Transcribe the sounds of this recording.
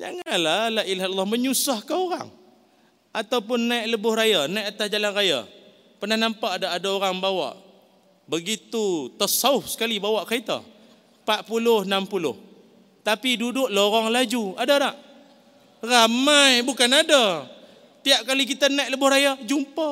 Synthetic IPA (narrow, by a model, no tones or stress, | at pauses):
d͡ʒaŋanlalailɦalalːɔməɲusahkaoɾa̰ŋ | at̪awpʊnːajʔləbʊhrajanajʔat̪asd͡ʒalanraja̰ | pərnahnampaʔadaʔadaoɾaŋbawa̰ʔ | bəɡit̪ut̪əsaʊfsə̥kalibawaʔkait̪a̰ | paʔpulʊhnampulʊ̰h | t̪apidudʊʔlooɾaŋlad͡ʒuadaɾaʔ | ramajbukanada | t̪iaʔ̚kalikit̪anajʔləbʊhrajad͡ʒumpa